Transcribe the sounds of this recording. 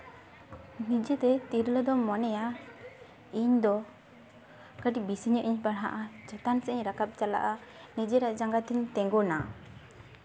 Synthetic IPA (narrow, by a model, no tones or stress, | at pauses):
nid͡ʒɛt̪ɛt̪iɾləd̪ɔmɔnɛja | iɲd̪ɔ | kəʈibisiɲəʔiɲbaɽɦa̰ʔad͡ʒɔt̪ansɛiɲɾakap̚t͡ʃala̰ʔa | nid͡ʒɛɾaʔd͡ʒaŋɡat̪iɲt̪ɛŋɡɔna